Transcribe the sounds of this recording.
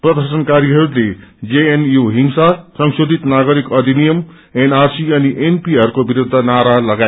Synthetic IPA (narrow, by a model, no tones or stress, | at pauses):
prʌd̪ʌrsʌnkaɾiɦʌɾuled͡zeenjuɦiŋsasʌŋsod̪ʱit̪naɡʌɾikʌd̪ʱinijʌm | enarsiʌniʔenpiɦʌɾukobiɾud̪ʱːʌnaɾalʌɡa